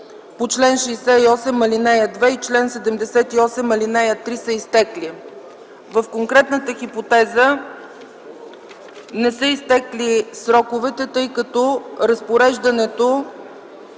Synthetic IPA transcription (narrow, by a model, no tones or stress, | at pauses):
pot͡ʃlɛnʃɛːsɛiɔsɛmːɐlinɛjəd̪vɛit͡ʃlɛnsɛd̪ɛmd̪ɛsɛt̪iɔsɛmːɐlinɛjət̪ɾisəist̪ɛkli | vəfkoŋkɾɛt̪nət̪əxipot̪ɛzə | nɛsəist̪ɛklisɾɔkovɛt̪ɛt̪ɤjkət̪ɔɾəspoɾɛʒd̪ɐnɛt̪o